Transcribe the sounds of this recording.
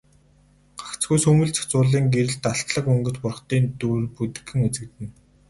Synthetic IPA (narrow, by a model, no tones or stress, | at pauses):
ɢ̥ḁkt͡sɡujsɵmɵ̆ɮt͡ɕʰḁxʰt͡sʊːɮiːŋɡeɾɘ̆ɮt̪aɬt̪ɮə̆kɵŋɡɵ̆t͡ɕpʊr̆χt̪iːnt̪urput̪ɘ̆xɘ̆ŋet͡sɘ̆k̚t̪ɘ̆n